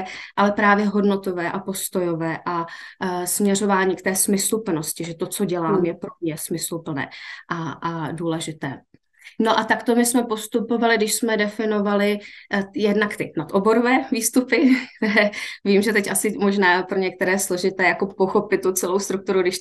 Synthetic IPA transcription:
ʔalɛpɾaːvjɛɦodnot̪o̞vɛːʔapo̞st̪o̞jovɛːʔa | smɲɛr̝o̞vaːɲiːkt̪ɛːsmɪslupl̩no̞scɪʒɛt̪ot͡soɟɛlaːmjɛpɾomɲɛsmɪslupl̩nɛ̰ːʔaaduːlɛʒɪt̪ɛː | no̞ʔat̪akt̪o̞mɪsmɛpo̞st̪upo̞valɪdɪʃsmɛdɛfɪno̞valɪjɛdnakt̪ɪnat̪ʔobo̞ɾovɛːviːst̪upɪk̚t̪ɛɾɛːviːmʒɛt̪ɛcʔasɪmoʒnaːpɾoɲɛk̚t̪ɛɾɛːslo̞ʒɪt̪ɛːjakopoxopɪt̪̚ːut͡sɛlo̞wst̪ɾuk̚t̪uɾuɡdɪʃ

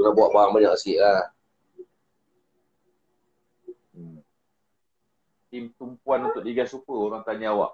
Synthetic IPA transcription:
ənabuaʔbaɾaŋbaɲaksiʔlah | əm | imt̪umpuanunt̪ʊʔliɡasupəoɾaŋt̪aɲawa̰ʔ

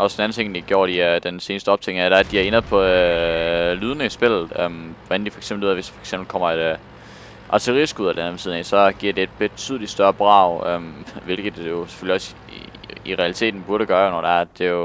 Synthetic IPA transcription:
ʔɒ̽sd̥enæn̩ˠt͡sʰe̝ŋ̰nd̥iɡ̥jo̝ːɐɾ̥iæd̥ense̝ːnəsd̥əɒ̽b̥̚t͡sʰeŋæd̥ææ̥d̥iæɐe̝nɐð̩ˠpʰɒ̽ | lyːð̞ˠnesb̥e̝l̰ð̩ˠømʋɒænd̥ifɒ̽e̥ɡ̥semb̥l̩uð̰ˠæʋesd̥i̥fɒe̥ɡ̥semb̥l̩kʰɒ̽m̰ɐed̥ | ʔɑ̈t͡sʰeʁḭsɡ̥uð̰ˠɐd̥enʋesiðˠnɛsɒ̽ɡ̥iɐ̰de̝ːd̥̚b̥e̝̥t͡sʰyð̞̰ˠlid̥sd̥ɶɐb̥ʁɑ̈ʊømʋe̝lɡ̥ð̩ˠjo̝se̥føliɒ̽s | iʁɛælit͡sʰe̝̰ːd̥n̩b̥uɐɾəɡ̥ɶːɐjonɒd̥eæɐ̥e̝jo̝

